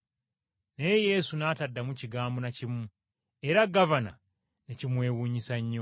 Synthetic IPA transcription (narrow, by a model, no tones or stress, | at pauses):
neje̞sunaːtadːamuciɡaːmbonacimu | eɾaɡavana̰ | necimwe̞ːwuːɲisaɲːo